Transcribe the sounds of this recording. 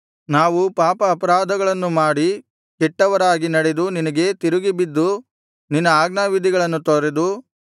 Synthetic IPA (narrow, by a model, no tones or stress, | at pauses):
naːʋupaːpɐːpɐɾaːd̪ʱɐɡɐɭɐnːumaːɽi | kɛʈːɐʋɐɾaːɡinɐɽed̪uninɐɡe̞t̪iɾuɡibid̪ːu | ninːɐaːɡnaːʋid̪ʱiɡɐɭɐnːut̪oɾed̪u